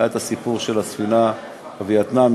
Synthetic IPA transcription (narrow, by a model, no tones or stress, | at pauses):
aet̪asipuʁʃelasfina | vejat̪nam